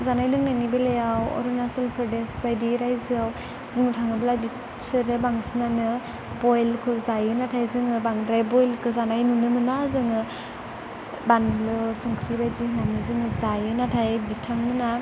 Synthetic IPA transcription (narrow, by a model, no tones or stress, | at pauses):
zanajlɯŋnanibelejawɔ̰ɾunasɔlpʰɾɔdesbajdiɾajzɯaw | zɯŋɯtʰaŋɯblabi | sɯɾɯbaŋsɯnanɯ | bɔjlkʰɯzajɯnatʰajzɯŋɯbaŋɾajbɔjlkʰɯzanajnunɯmɯnazɯŋɯ | banblɯsɔŋkʰɾibajzihnanɯzɯŋɯzajɯnatʰajbitʰːaŋmɯna